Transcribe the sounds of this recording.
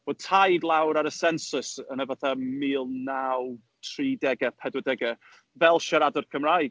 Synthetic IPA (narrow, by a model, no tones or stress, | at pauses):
v̥o̥tʰajdlˠawɾaɾəsɛnsʊsənəvaθamiːlˠnaw | tʰriːdɛɡɛpʰɛdwɔdɛɡɛ | vɛlˠʃaɾadɔrkʰəmrajɡ̥